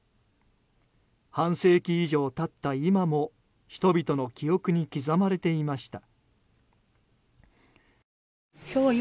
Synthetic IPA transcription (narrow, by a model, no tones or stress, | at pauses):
hãɰ̃se̞ːkʲiːʑo̞ːt̪at̪ːaimamo̞ | çi̥t̪o̞bʲit̪o̞no̞kʲio̞kɯ̟ɲ̟ikʲizamaɾe̞t̪e̞imaɕi̥t̪a | kʲoː